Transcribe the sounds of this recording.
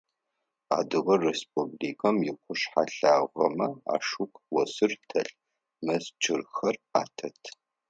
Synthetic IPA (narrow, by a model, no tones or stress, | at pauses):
a̰ːdɨʁɐresp̚ʰubliːkʰɐmjɪqʷʊɕħaɬaːʁɐ̰mɐa̰ːʂukʷʰʼwɔsɨrtʰɐɬ | mɐst͡ʃʼʰɪrxɐraːtʰɐtʰ